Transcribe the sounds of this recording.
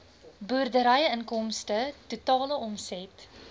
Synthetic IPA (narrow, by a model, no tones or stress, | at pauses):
buərdəɾəjəənkɔmstətutɑːləɔmsɛt